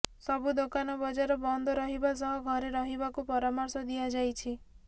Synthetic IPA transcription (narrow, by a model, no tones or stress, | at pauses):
sɔbud̪okanɔbɔd͡ʒaɾɔbɔnd̪ʱɔɾɔɦibas̬ɔɦɔɡʱɔɾeɾɔɦibakupɔɾamɔɾsɔd̪iad͡ʒajt͡ʃʰi